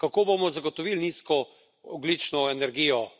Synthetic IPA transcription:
kakoːbomɔzaɡot̪ɔʋiːlniːskɔ | ɔd̪lit͡ʃnɔɛnɛɾɡiːjɔ

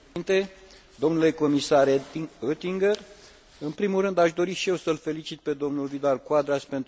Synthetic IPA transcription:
int̪e̞ | d̪o̞mnule̞ko̞misaɾøt̪iŋɡər | ɨnpɾimulrɨnd̪aʃd̪o̞ɾiʃije̞wsəlfe̞lit͡ʃit̪̚pe̞d̪o̞mnulvid̪alkwad̪ɾaspe̞nt̪

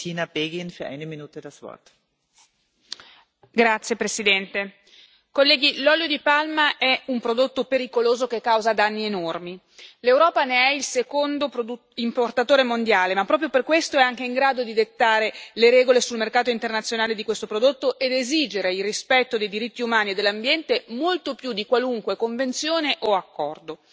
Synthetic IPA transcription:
tʰiːnabeːɡinfyɐʔa̰ɪnəminuːt̪ədasv̥ɔ̰ɐt̪ | ɡɾat̪sːjepɾesid̪ɛnt̪e | kolːɛːɡilɔljod̪ipalmaʔɛumpɾod̪ot̪ːopeɾikoloːzokekːawzad̪anːienormi | lewɾɔːpaneɛilsekond̪opou | import̪at̪oːɾemond̪jaːlemapːɾɔːp̬ɾjoperkwest̪oɛaŋk̟eiŋɡɾaːd̪od̪id̪et̪ːaːɾeleɾɛːɡolesulmerkaːt̪oint̪ernat̪sːjonaːled̪ikwest̪opɾod̪ot̪ːoʔed̪ezid͡ʒeɾeilrispɛt̪ːod̪ejd̪iɾit̪ːiumaːnied̪ːelːambjɛnt̪emolt̪opjud̪ːikwaluŋkwekoɱvent̪sjoːneʔoakːɔ̰rd̪o

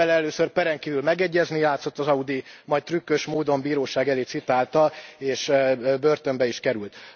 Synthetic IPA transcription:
ɛlɛløːsørpɛɾɛŋkiːvylmɛɡɛɟːɛznijaːt̪so̞t̪ːɒzɒud̪imɒjt̪rykːøʃmoːd̪o̞mbiːɾoːʃaːɡɛleːt̪sit̪aːlt̪ɒleːʃbørt̪ømbɛiʃkɛɾylt̪

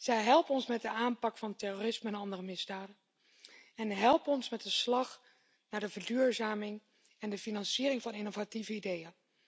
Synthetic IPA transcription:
z̥ɛjɦɛlˠpənɔnsmɛt̚dəaːnpɑkfɑntɛroːrɪsməɛnɑndərəmɪzdaːdən | ɛnɦɛlˠpəɔnsmɛt̚dəslɑχ | naːɹdəvəɹdyːɹzaːmɪŋ | ɛndəfinɑnsiəɾɪŋvɑnɪnovativəidejən

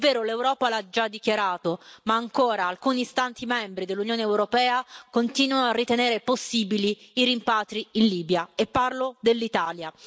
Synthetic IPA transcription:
vːeːɾolewɾɔːpalad͡ʒad̪ːikjaɾaːt̪omaːŋkoːɾaːlkuːnist̪ant̪imɛmbɾid̪elːunjoːneːwɾopɛːakont̪iːnwanoarːit̪eneːɾeposːiːbiliiɾimpaːt̪ɾiinliːbjaepːarlod̪elːit̪aːlja

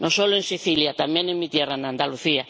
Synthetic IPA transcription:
nõsolʊẽŋsiθiljat̪amẽnẽmit̪jeranand̪aluθia

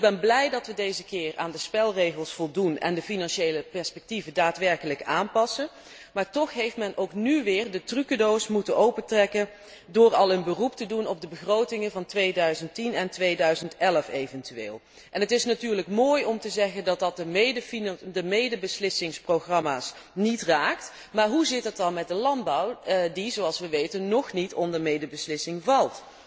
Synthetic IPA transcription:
ɪɡ̚bɛnblɛjdɑtʋədejzəkɪːra̰ːndəspɛlˠrejɣəlˠsfɔlˠdunɛ̰ndəfinɑnʃejləpɛɹspɛk̚tivədaːtʋɛɹkələkaːnpɑsən | maːɹtɔχɦejftmɛnʔowknyʋɪːrdətrykodowsmutənʔowpətrɛkən | dʊːɹɑlˠənbəruptədunɔb̚dəbəχrowtɪŋənvɑntʋejdœɥzəntinɛntʋejdœɥzəntɛləfejvɛntyʋḛːlˠ | ʔɛnɦətɪsnatyːrləkmoːjɔmtəzɛɣəndɑt̚dɑt̚dəmejdəfindəmejdəbəslɪsɪŋsprowχrɑmaːs | nitraːkt | maːɹɦuzɪt̚dətɑnmɛt̚dəlɑnbɔwdizoɑlˠsʋəʋejtənːɔxnitʰɔndəɹmejdəbəslɪsɪŋvɑlˠt

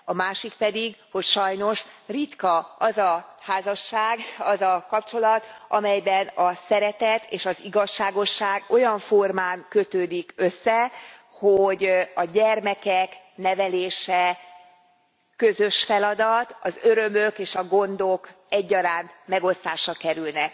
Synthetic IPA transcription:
ɒmaːʃikpɛd̪iɡho̞cʃɒjno̞ʃrit̪kɒɒzɒhaːzɒʃːaːɡɒzɒkɒpt͡ʃo̞lɒt̪ʔɒmɛjbɛnɒsɛɾɛt̪ɛt̪ʰḛːʃɒziɡɒʃːaːɡo̞ʃːaːɡo̞jɒɱfo̞rmaːŋkø̞t̪øːd̪ikø̞sːɛ | hoɟɒɟɛrmɛkɛk | nɛvɛleːʃɛ | kø̞zø̞ʃfɛlɒd̪ɒt̪ɒzø̞ɾømøkeːʃɒɡo̞nd̪o̞k | ɛɟːɒɾaːnt̪mɛɡo̞st̪aːʃɒkɛɾylnɛk̚

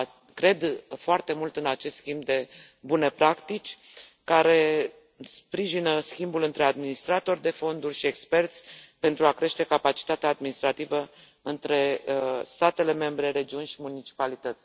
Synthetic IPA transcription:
kɾe̞d̪foart̪e̞mult̪ɨnat͡ʃe̞st̪skʲimbd̪e̞ | bune̞pɾakt̪it͡ʃʲ | kaɾe̞ | spɾiʒinəskʲimbulɨnt̪ɾe̞ad̪minist̪ɾat̪o̞rʲd̪e̞fo̞nd̪urʲʃie̞kspe̞rt̪sʲpe̞nt̪ɾuakɾe̞ʃt̪e̞kapat͡ʃi̥t̪at̪eaːd̪minist̪ɾat̪ivə | ɨnt̪ɾe̞st̪at̪e̞le̞me̞mbɾe̞ɾe̞d͡ʒiunʲʃimunit͡ʃi̥palit̪ət̪sʲ

